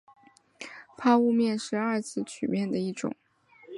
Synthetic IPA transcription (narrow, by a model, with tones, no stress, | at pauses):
pʰa˥u˥˧mjɛ˥˧nʂɻ̩˥˧a˞˥˧t͡sʰɹ̩˥˩˧t͡ɕʰy˨˩mjɛ˥˩nd̪ə˩i˥˩ʈ͡ʂʊ̰˨˩˦ŋ